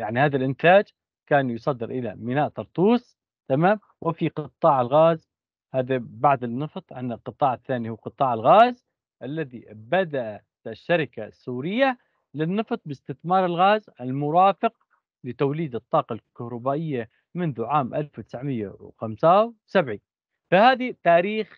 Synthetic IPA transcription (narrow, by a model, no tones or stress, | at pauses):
jaʕnihaːðalʔɪnt̪aːd͡ʒ | kaːnjɨsˤɑd̪ːɪɾʔɪla̰mɪnaːʔt̪ɑɾˤt̪ˤuːsˤ | t̪amaːm | wɪfiqt̪ˤːɑːʕɪlɣaːz | haːðabaʕd̪ɪnːɑft̪ˤʕɪnːɪlqɨt̪ˤːɑːʕɪθːaːnihʊːqɨt̪ˤɑːʕɪlɣaːz | ʔalːaðibad̪aʔa | aʃːaɾɪkasːuːɾɪjːa | lɪnːɨft̪ˤbɪst̪ɪθmɑːɾˤɪlɣaːzalmʊɾɑːfɪq̚ | lɪt̪awliːd̪ɨt̪ˤːɑːqɑlkahɾˤɑbaːʔɪjːa | mʊnðʊʕaːmʔa̰lfwt̪ɪ̥sʕmɪjːa̰wxamsawsabʕi | fahaːðit̪aːɾiːx